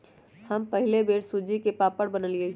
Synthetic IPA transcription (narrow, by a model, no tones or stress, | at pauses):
hɐmpɐɦɪlebeːɽsud͡ʒikepaːpəɽbɐnəleː